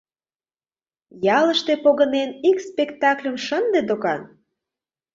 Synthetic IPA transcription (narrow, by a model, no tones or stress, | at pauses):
jɑləʃt̪epoɣə̆nenikspekt̪ɑklʲə̆mʃənd̪ed̪okɑn